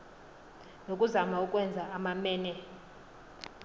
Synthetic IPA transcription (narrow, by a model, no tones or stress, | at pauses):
nokʼuzamaukʼwɛnd͡zʱaamamɛːnɛ